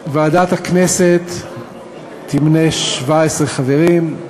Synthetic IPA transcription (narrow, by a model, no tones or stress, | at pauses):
vaaːd̪at̪hakneset̪ | imneʃvaesʁeχaveʁim